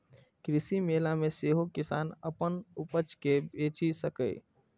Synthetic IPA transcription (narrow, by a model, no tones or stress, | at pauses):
kɾɪsimeːlamẽseɦokɪsaːnəpənupət͡ʃkebeːt͡ʃisəkə̰i